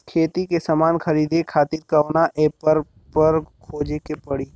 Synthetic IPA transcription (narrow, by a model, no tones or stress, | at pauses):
kʰeːt̪ikesamaːnxɐɾiːd̪ekʰaːt̪iːɾkɐoːnaʔeːpəɾ | pɐɾkʰoːd͡ʒekepɐɽiː